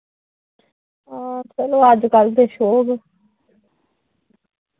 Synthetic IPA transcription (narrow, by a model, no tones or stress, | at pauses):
aːt͡ʃəloːəd͡ʒkəlt̪eːʃoːɡ